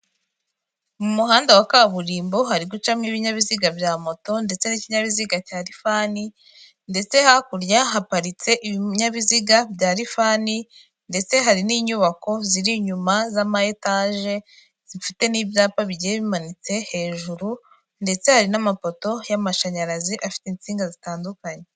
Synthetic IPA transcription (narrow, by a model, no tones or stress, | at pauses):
mumuɦaːndawakaβuɾiːmbo̞ɦaɾiɡut͡ʃamŋiβiɲaβiziɡabjaːmo̞to̞nde̞t͡se̞niciɲaβiziɡacaːɾifaːni | nde̞t͡se̞hakuɾjaɦapaɾit͡se̞ʔiβiɲaβiziɡabjaːɾifaːni | nde̞t͡se̞ɦaɾiniːɲuβako̞ziɾiɲumazamaetaʒe̞ | z̥ifite̞niːβjaːpaβiɟijeβimanit͡se̞he̞ːʒuɾu | nde̞t͡se̞haɾinamapo̞to̞jamaʃaɲaɾaziʔafi̥tent͡siːŋɡazitaːndukaɲe